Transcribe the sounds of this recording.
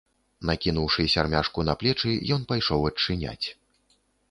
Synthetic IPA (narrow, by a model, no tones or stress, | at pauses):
nakʲinuwʂɨsʲarmʲaʂkunɐplʲɛt͡ʂɨjɔnpajʂɔwɐt͡ʂːɨnʲa̰t͡sʲ